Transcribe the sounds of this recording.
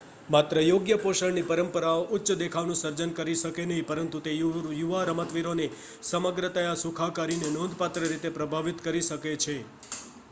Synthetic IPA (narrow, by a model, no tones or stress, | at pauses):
mat̪ɾəjoɡjəpoʃəɭnipəɾəmpəɾaoʔʊtːʃd̪ekʰaʋnũsəɾd͡ʒənkəɾiʃəkenəɦĩpəɾənt̪ut̪ejjuʋaɾəmət̪ʋiɾone | səməɡɾət̪əjasukʰakaɾinenõnd̪ʱpat̪ɾəɾit̪epɾəbʱaʋit̪kəɾiʃəket͡ʃʰe